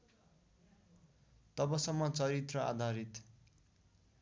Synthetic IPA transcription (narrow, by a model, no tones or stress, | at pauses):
t̪ʌbʌsʌmːʌt͡sʌɾit̪rʌa̰d̪ʱaɾit̪